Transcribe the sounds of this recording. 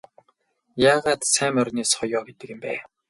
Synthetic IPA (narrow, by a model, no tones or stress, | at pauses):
jaːʁaːt̪sæːmœrneːsχɔjɔːɡet̪ɘ̆kĕmpæ̰ː